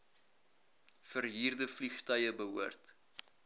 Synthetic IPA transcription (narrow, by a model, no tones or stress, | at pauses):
fərɦiːrdəfliχtœjəbəɦuərt